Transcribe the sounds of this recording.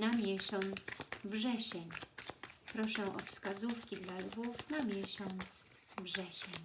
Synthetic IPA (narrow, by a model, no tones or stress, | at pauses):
namʲjɛɕɔnt̪svʐɛɕɛɲ | pɾɔʂɛ̃ʔɔ̰fskazufkʲid̪lalɡufnamʲjɛɕɔnt̪s | vʐɛɕɛɲ